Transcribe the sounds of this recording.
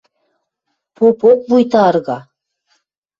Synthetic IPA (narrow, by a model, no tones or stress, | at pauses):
pʰopok̚bujt̪ɑɾɣɑ